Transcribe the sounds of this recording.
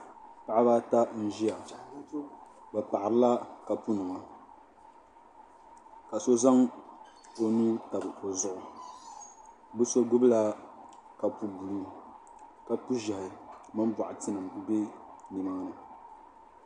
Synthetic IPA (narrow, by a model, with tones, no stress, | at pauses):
pa˨a˦ba˦ta˦n̩˦ʒi˦ja˨ | ba˨pa˨ʔa˨ɾɨ˦la˦ka˨pu˦nɨ˨ma˨ | ka˨so˦za˦ŋ | o˨nuː˦ta˨bɨ˨o˨zʊ˦ʔʊ˨ | bɨ˦so˦ɡʊ˦bla˦ka˨pu˦bu˨lu˦ | ka˨pu˦ʒa˨hɪ˨mɨ˦mba˨ʔʊ˨ti˦nɨ˨m˨be˦nɨ˨ma˦nɨ˨